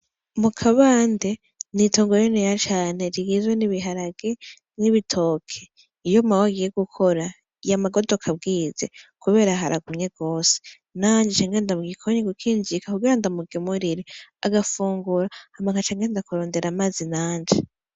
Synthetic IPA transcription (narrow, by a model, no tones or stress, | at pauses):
mukʰaβaːnde | nitoːŋɡoɾenejat͡ʃaːne̞ɾiɡizweniβiɦaɾaɡ̥e | niβitʰo̞ːkʰe | ijomawaɡije̞ɡukʰo̞ɾa | jamaɡodokʰab̚ɡiːze̞̰kuβe̞ːɾaɦa̰ɾaɡuɲeɡo̞ːse̥ | naːɲd͡ʒet͡ʃaːŋɡeːndamuɡikʰoɲeɡukʰiːɲd͡ʒikakuɡiːɾandamuɡemuɾiɾiaɡafuːŋɡuɾahamaŋat͡ʃaːŋɡeːndakuɾo̞ːnde̞ɾamazinaːɲd͡ʒe